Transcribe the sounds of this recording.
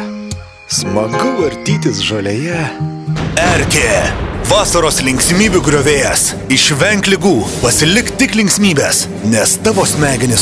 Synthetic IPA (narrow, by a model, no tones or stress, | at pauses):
smɐɡʊɐɾʲt̪ʲiːt̪ʲɪsʒoːlʲejɛ | ɛɾʲkʲeːʋɑːsɐɾoːslʲɪŋʲksʲmʲiːbʲuːɡɾʲoʋʲeːjɛs | ɪʃʋʲɛŋʲklʲɪɡuːpɐsʲɪlʲɪkt̪ʲɪklʲɪŋʲkʲsʲmʲiːbʲeːs | nʲɛst̪ɑːʋoːsʲmʲæːɡʲɪnʲɪs